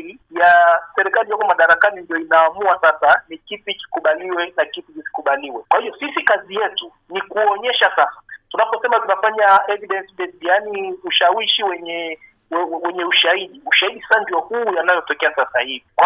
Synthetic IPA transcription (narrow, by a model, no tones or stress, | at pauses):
i | jasɛɾikalijɔkɔmaɗaɾakanindiɔinaːmuasasanikipiki̥kuɓaliwɛnakipit͡ʃisi̥kuɓaliwɛkwahiɔsisikazijɛtu | nikuɔɲɛʃasasḁtunapɔsɛmatunafaɲaɛviɗɛnsiɓɛsijaniuʃawiʃiwɛɲɛ | wɛwɛɲɛuʃaiɗiuʃaiɗisɛsandiɔhuːjanajɔtɔkɛasasahivikwa